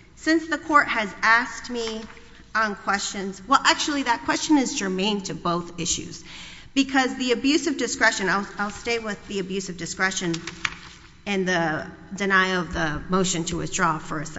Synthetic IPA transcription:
sɪ̃nsðəkʰɔɹt̚hɨzæskt̚mi | ə̃nkʰw̥ɛst͡ʃɨ̃nz̥wɛlˠʔæk̚t͡ʃul̩ˠiðɨt̚kʰw̥ɛst͡ʃɨ̃nɨzd͡ʒəmẽɪ̃ntʰɨboʊθɪʃʉ̰z̥ | b̥ɨkʰʌzðiɨbjʉsʌvdɨskɹɛʃɨ̃naɪlˠaɪlˠsteɪwɪðiɨbjʉsʌvdɨskɹɛʃɨ̃n | ɨ̃nðɨ | dɨnaɪʌvðəmoʊʃɨ̃ntʰəwɨ̰θdɹɔfə˞ɨs

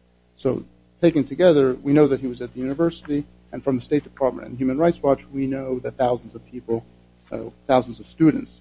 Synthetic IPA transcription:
soʊ | tʰeɪkɨ̃ntʰɨɡɛðə˞winoʊðɨt̚hiwʌzɨt̪̚ðɨjʉnɨvɜ˞sɨɾi | ɨ̃nfɹʌ̃mðəsteɪt̚d̥ɨpʰɑɹt̚mɨ̰̃ñtɨ̰̃njʉmɨ̃nɹaɪtswɑt͡ʃwinoʊðɨt̪̚θaʊzn̩zʌv̥pʰipl̩ˠ | θaʊzn̩zʌv̥stʉd̃ⁿn̩ts

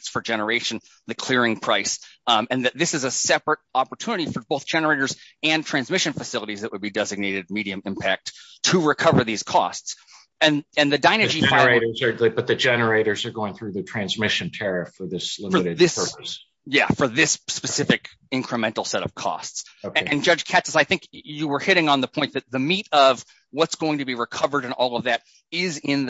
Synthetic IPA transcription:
sfə˞d͡ʒɛnə˞eɪʃɨ̃n̩ | ðɨkʰl̥ɪɹɪ̃ŋpʰɹ̥aɪsɨ̃nðɨt̪̚ðɪsɨzəsɛpɹɨɾɑpə˞tʰunɨɾifə˞boʊθd̥ʒ̥ɛnə˞eɪɾə˞zɨ̃ntʰɹ̥æ̃nzmɪʃɨ̃nfɨsɪlˠəɾizðɨʔ̚wəd̚bidɛzɨɡ̚neɪɾɨd̚miɾiɨ̃mɪ̃mpʰæk̚tʰ | əɹɨkʰʌvə˞ðiz̥kʰɔ̰sts | ɨ̃nɨ̃nðɨdãɪ̃ñɨd͡ʒifeɪɾə˞zə˞b̥ʌt̪̚ðɨd͡ʒɛnə˞eɪɾə˞zə˞ɡoʊɪ̃ŋθɹʉðɨtʰɹ̥æ̃nzmɪʃɨ̃ntʰɛɹɨfə˞ðɪslɪmə˞ɾɨdðɪsəs | jæ̰fə˞ðɪsspɨsɪfɨk | ɪ̃ŋkʰɹ̥ɨmɛ̃ntl̩ˠsɛɾʌ̰v̥kʰɔ̰stsoɨɨ̃nd͡ʒʌd͡ʒ̥kʰætsəsaɪθɪ̃ŋkjɨwə˞hɪɾɪ̃ŋə̃nðəpʰɔ̃ɪ̃nðɨt̪̚ðɨmiɾʌv | wʌtsɡ̥oʊɪ̃ŋtɨbiɹɨkʰʌvə˞ɾɨ̃nɔlˠʌvðɨɾ | ɪzɪ̃nð

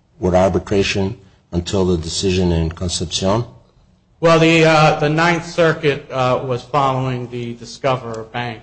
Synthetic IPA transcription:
wəɾaɹbɨtʰɹ̥eɪʃɨ̃n | ə̃ntʰɪlˠðədɨsɪʒɨ̃nɪ̃nkʰə̃nsɛpsiõn | wɛlˠðɨðɨnãɪ̃nθsɜ˞kɨt̚wʌz̥fɑlˠoʊɪ̃ŋðɨdɨskʌvə˞ʌvbæ̃ŋk

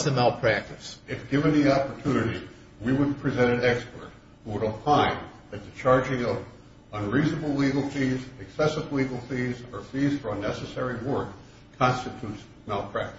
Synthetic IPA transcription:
ðɨmɛlˠpʰɹ̥æk̚tɨsɨfɡ̥ɪvɨ̃nðiɑpə˞tʰunɨɾi | wiwəd̚pʰɹ̥izɛ̃ɾ̃ɨ̃nɛkspə̰˞t̚ | huwəɾəpʰlãɪ̃n | ɨt̪̚ðɨt͡ʃʰɑɹd͡ʒɪ̃ŋʌv | ə̃nɹiznəbl̩ˠliɡl̩ˠfizɨksɛsəvliɡl̩ˠfizə˞fiz̥fə˞ənɛsɨsɛɹiwɜ˞kʰː | ɑ̃nstɨtʰuts | mɛlˠpʰɹ̥æk̚t

